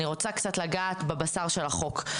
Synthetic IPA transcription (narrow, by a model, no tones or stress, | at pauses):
niʁo̞t͡sakt͡satlaɡaːt̪bebasaʁʃelaχo̞k